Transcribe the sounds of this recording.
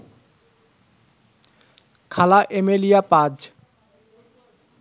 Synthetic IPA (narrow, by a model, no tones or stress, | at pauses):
kʰalaʔemelijapad͡ʑ